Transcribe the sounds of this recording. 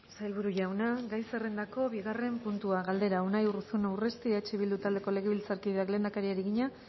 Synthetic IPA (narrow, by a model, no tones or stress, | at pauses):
sajlβuɾuʝawnaɡajserend̪ako̞βiɣare̞mpunt̪uaɣald̪e̞ɾaunajurusunawre̞st̪iet͡ʃeβ̞ild̪ut̪ald̪e̞ko̞le̞ɣe̞βilt͡saɾkiðeakle̞ːnd̪akaɾiaɾiɣiɲa